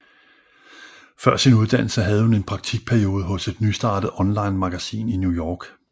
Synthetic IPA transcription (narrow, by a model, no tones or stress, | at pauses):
fɶɐ̰sinuð̞ˠd̥æn̰l̩səɦæð̞̩ˠhune̝npʰʁɑ̈ɡ̥̚t͡sʰiɡ̥̚pʰæɐio̝ːð̞ˠəɦɔ̽se̝d̥nysd̥ɑ̈ːd̥əð̩ˠɒ̽nlɑ̈ɪnmɑ̈ɡ̥æsḭːninjujɒːɡ̥